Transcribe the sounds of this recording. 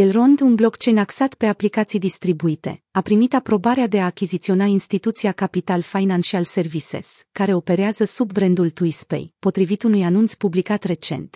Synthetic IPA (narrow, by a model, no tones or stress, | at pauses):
elro̞nd̪unblo̞kt͡ʃe̞jnaksat̪pe̞aplikat̪sijd̪ist̪ɾibuit̪e̞̰ | apɾimit̪apɾo̞baɾead̪e̞aːkʲizit̪sio̞nainst̪it̪ut̪siakapit̪alfajnanʃialse̞rvise̞̰skaɾe̞o̞pe̞ɾeazəsubbɾend̪ult̪uispḛjpo̞t̪ɾivit̪unujanunt̪spublikat̪re̞t͡ʃe̞̰nt̪